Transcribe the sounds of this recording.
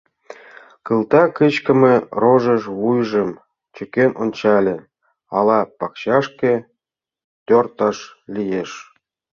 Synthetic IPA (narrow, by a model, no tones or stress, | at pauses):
kɯlt̪ɑkət͡ɕkə̆meroʒəʃβujʒəm | t͡ɕø̆kenʔonʲt͡ɕɑlʲĕ | ɑlɑpɑkt͡ɕɑʃkĕ | t̪ʲort̪ɑʃlʲijeʃ